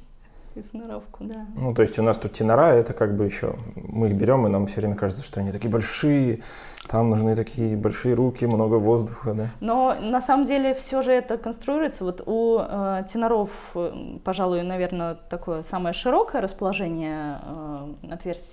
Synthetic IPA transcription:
ɪsnɐɾofkʊd̪anut̪o̞ɪsʲtʲʊnast̪ut̪̚ʲtʲɪnɐɾaɛt̪əkaɡbɨjɪɕːo̰mɨixbʲɪɾʲo̞mɨnamfsʲɵvɾʲemʲəkaʐɨt̪sə̥ʂt̪oɐnʲit̪ɐkʲijəbɐlʲʂɨjə | t̪amnʊʐnɨt̪ɐkʲʰijəbɐlʲʂɨjəɾukʲɪmno̞ɡəvo̞zd̪ʊxəd̪anonɐsaməmdʲelʲɪfsʲo̞ʐɨɛt̪əkənst̪ɾʊiɾʊjɪt̪səvo̞t̪utʲɪnɐɾo̞f | pɐʐalˠʊjʊnɐvʲe̞rnət̪ɐko̞jəsaməjəʂɨɾo̞kəjəɾəspəlˠɐʐɛnʲɪjə | ɐt̪vʲersʲ

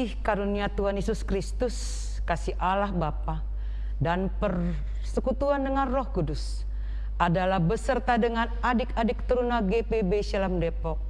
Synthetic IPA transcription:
ɪhkaɾuniat̪uɦanjesuskɾist̪us | kasiʔalahbapa | danpər | səkut̪uandəŋanrɔhkudus | ʔadalahbəsərt̪adəŋanadɪkadɪk̚t̪əɾunaɡepebesalamdepɔk̚

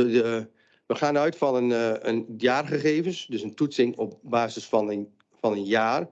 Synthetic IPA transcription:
ə | ʋəχaːnœɥtfɔnənənjaːrχəχeːvənsdøsəntutsɪŋɔpbaːzəsfɔnə | fɑnənjaːr

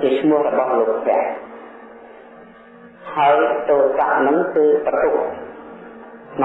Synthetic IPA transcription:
t͡ɕiət͡ɕʰmŭəhrɔɓɑhloːk̚pʰnɛ̆əʔ | haəjt̪oːsa̰ʔnɨŋkɨːp̪at̪uʔ̚ | n

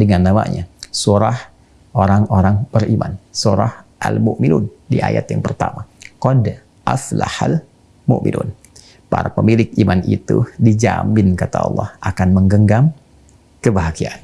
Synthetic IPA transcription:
dəŋanːama̰ʔɲasuɾah | ʔoɾaŋoɾaŋbərimansuɾahʔalmuʔminundiʔajat̪jaŋpərt̪amakɔd | ʔafla̰hal | mʊʔmḭnṵn | paɾapəmilɪk̚imanʔit̪udid͡ʒamɪnkat̪aɑ̰lˠːɑhʔakanməŋɡəŋɡam | kəbaɦakian

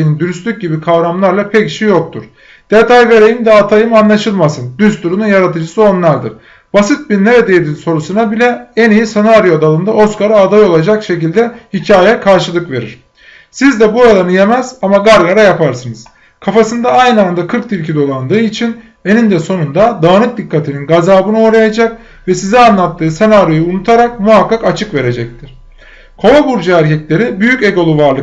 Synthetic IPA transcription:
nind̪yɾyst̪yc̚ɟibikʰavɾamlˠaɾlˠapʰɛcʃijo̞k̚t̪ʰuɾ̥ | d̪̥et̪ʰajve̞ɾe̞jimd̪ɛat̪ʰajɯmanlˠaʃɯlˠmasɯnd̪yst̪ʰuɾununjaɾat̪ʰɯd͡ʒɯsɯo̞nlˠaɾd̪ɯ̰ɾ | b̥asɯt̪̚biɾneɾed̪ejed̪inso̞ɾusunabilʲɛenijisanaaɾjoad̪alˠɯnd̪aʔo̞skaɾaːd̪ajo̞lˠad͡ʒakʃe̞cilʲd̪ɛhicʰaːjɛkʰaɾʃɯlˠɯkve̞ɾḭɾ̝̥ | sizd̪ɛbuad̪anɯje̞mɛz̥amaɡaɾlˠaɾajapʰaɾsɯnɯz̥ | kʰafasɯnd̪aajnɯand̪akʰɯɾk̚t̪iɾcʰid̪o̞lˠand̪ɯːit͡ʃʰin | e̞nind̪ɛso̞nund̪ad̪aːnɯk̪̚d̪ikʰːat̪ʰininɡazaːbɯnɯo̞ɾajad͡ʒak̚ | vɛsizianlˠat̪ːɯːsenaɾjojuunut̪ʰaɾak̚muɦakːakat͡ʃʰɯkve̞ɾe̞d͡ʒɛc̚t̪ʰiɾ̥ | kʰo̞abuɾd͡ʒaæɾcʰɛcʲlʲe̞ɾibyjyceɡo̞lˠuvaɾlˠɯ

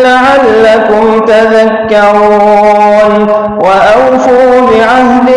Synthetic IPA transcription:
laʕalːakʊmt̪aðakːɑɾuːuːn | waʔawfuɾbɪʕahdɪ

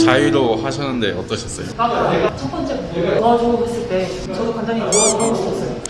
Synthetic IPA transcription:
t͡ɕaiɾohaɕʰʌnːɯnde̞ʌt͈ʌɕʰʌs͈ʌjokaeat͡ɕʰʌt̚p͈ʌnt͡ɕ͈e | ɡad͡ʑuɡoɦes͈ɯɭt͈e̞ | t͡ɕʌdokwandaɲioʌɡʌmɕ͈ʰʌs͈ʌjo

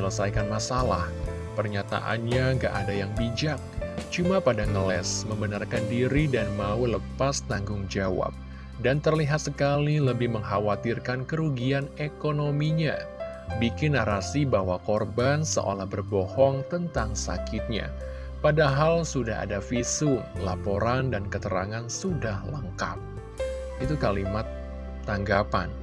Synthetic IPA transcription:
ələsajkanmasala̰h | pərɲat̪a̰ʔa̰nɲaŋɡa̰ʔadajaŋbid͡ʒak̚t͡ʃumapadaŋəlɛ̰sməmbənarkandiɾidanmauləpast̪aŋɡʊŋd͡ʒawa̰p̚ | dant̪ərliɦat̪̚səkaliləbɪhməŋɦawat̪irkankəɾuɡianekonomiɲa̰ | bikɪnaɾasibawakɔrbansə̰ʔo̰lahbərbɔhɔŋt̪ənt̪aŋsa̰kɪt̪̚ɲa̰ | padaɦalsudaɦa̰dafisʊŋlapoɾandankət̪əɾa̰ŋansudahləŋka̰p̚ | ʔit̪ukalimat̪ː | aŋɡapan

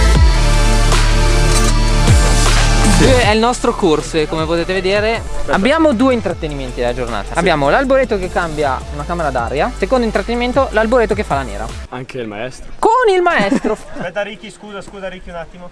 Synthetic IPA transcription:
d̪ueɛilnɔst̪ɾokorsokomepot̪eːt̪eved̪eːɾeabːjaːmod̪uːeint̪ɾat̪ːeniment̪id̪elad͡ʒorna̰ːt̪aabːjaːmolalboɾet̪ːokekːambja̰unakaːmeɾad̪a̰ɾjasekond̪oint̪ɾat̪ːeniment̪olalboɾet̪ːokefːalanḛːɾa̰aŋkʰeilma̰ɛst̪ɾokonilmaɛst̪ɾoɛt̪aɾikːiskuːzaskuːzaɾikiunat̪ːimo

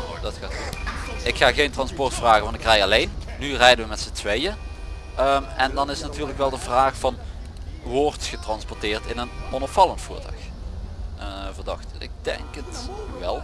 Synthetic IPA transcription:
dɑtxat | ɪkxaːɣejntrɑnspɔrtfraːɣəʋɑntɪkrɛjɑlejnnyrɛjdənʋəmɛtsətʋejə | əmɛndɑnɪsnatyːɹləkʋɛlˠdəvraːxfɑn | ʋɔrtχətrɑnspɔrtɪːrtɪnənɔnɔpfɑlˠəntfṵːɹtɑ̰x | vərdɑ̰xtɪ̰k̚dɛ̰ŋkətʋɛlˠ

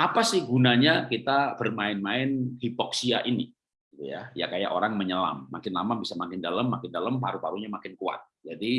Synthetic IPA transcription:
ʔapasɪhɡunaɲakit̪ab̥ərmaɪnmaɪnhipɔksiaʔini | ɡit̪uja̰ja̰kaja̰ʔo̰ɾaŋməɲəla̰mːa̰kɪnlamabisamakɪndaləmːakɪndaləmpaɾupaɾuɲamakɪnkua̰t̪̚d͡ʒadi

